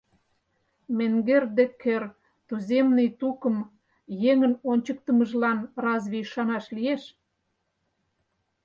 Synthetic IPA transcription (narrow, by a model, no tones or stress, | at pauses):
meŋɡerd̪ekʰør | t̪uzemnəjt̪ukəm | jeŋənonʲt͡ɕək̚t̪ə̆məʒlɑnrɑzβiʃɑnɑʃlieʃ